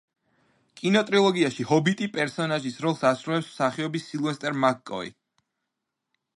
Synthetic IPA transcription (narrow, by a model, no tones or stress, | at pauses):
kʼinɔt̪ʼɾilˠɔɡiaʃihɔbit̪ʼipʼɛɾsɔnaʒisɾɔlˠsasɾulɛpsm̥saχiɔbisːilˠvɛst̪ʼɛɾmakʼːɔ̰ḭ